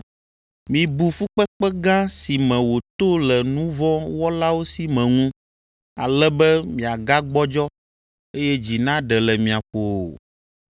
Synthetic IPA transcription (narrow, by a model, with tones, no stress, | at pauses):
mĩ˨bu˨fu˦k͡pɛ˦k͡pɛ˦ɡã˦si˨mɛ̃˨wo˨t̪o˦lɛ˨nũ˦vɔ̃˦wɔ˦la˦wo˦si˦mɛ̃˨ŋũ˦ | a̰˨lɛ˦bɛ˦mĩ˨a˨ɡa˦ɡ͡bɔ˦d͡ʒɔ˦ | e˦jɛ˦d͡ʑi˨nã˦ɖɛ˨lɛ˨mĩ˨a˨ɸo˨